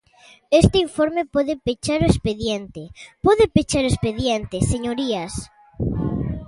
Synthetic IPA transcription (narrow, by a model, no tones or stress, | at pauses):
est̪eiɱfɔɾmepɔðepet͡ʃaɾoespeðjent̪epɔðɪpet͡ʃaɾoespeðjent̪eseɲoɾiɐs